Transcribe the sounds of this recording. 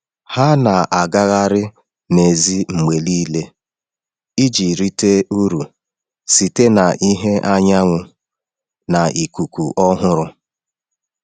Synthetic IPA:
ha˦na˨ʔa˨ɡa˦ɣa˦ɾɪ˦ | ne˨zi˦ŋ͡m̩˨me˨li˦le˦ | i˦d͡ʒi˨ɾi˦te˦u˦ɾu˨ | si˨te˦na˨ʔi˦ɦe˦ʔa˦ɲa˦ŋʷʊ˨ | na˨ʔi˨ku˨kʷu˨ʔɔ˦ɦʊ˦ɾʊ˦

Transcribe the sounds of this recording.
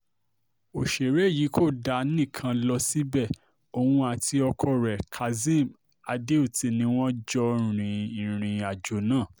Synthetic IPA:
o˨ʃe˨ɾe˨˦˨ji˨˦kʰo˦˨da˧˦nĩ˦˨kʰã˧lɔ˧si˦bɛ˦˨ | o˨wũ˧a˨ti˧ɔ˧kʰɔ˧ɾɛ˨kʰa˨zĩ˦˨m | a˧de˦u˦˨ti˨˧˦nĩ˧˦w̃ɔ̃˦d͡ʒɔ̃˦˨ɾ̃ĩ˨ĩ˨ɾ̃ĩ˨a˨d͡ʒo˨˦nãː˦˨

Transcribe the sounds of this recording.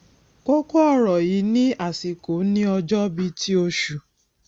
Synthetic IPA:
ko˦ko˦ɔ˦˨ɾɔ˨ji˨˦nĩ˦a˦˨si˨ko˨˦nĩ˦ɔ˧d͡ʒɔ˦bi˧ti˦o˧ʃu˨

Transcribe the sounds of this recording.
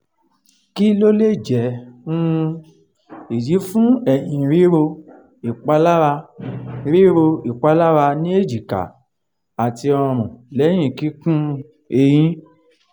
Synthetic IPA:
ki˦lo˦le˦˨d͡ʒɛ˨ũ˦˧ | i˨ji˨˦fũ˦ɛ˦˨j̃ĩ˨ɾi˨˦ɾo˧ | i˨k͡pa˨˦la˦ɾa˧ɾi˦ɾo˧i˨k͡pa˨˦la˦ɾa˧nĩ˦e˦˨d͡ʒi˨ka̰˨ | a˨ti˧ɔ˧ɾ̃ũ˨lɛ˨˦j̃ĩ˦˨ki˦kũ˦ | e˧j̃ĩ˨˦

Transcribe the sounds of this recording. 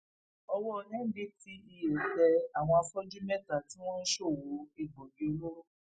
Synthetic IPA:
ɔ˧wɔ˦˧nɛ̃˦di˦ti˦i˧je˨dɛ˧a˨w̃ɔ̃˧a˧fɔ˦d͡ʒu˦mɛ˦ta˨ti˦w̃ɔ̃˦n̩˦ʃo˦˨wo˨˦i˦˨ɡ͡bo˨bi˨˦lo˦

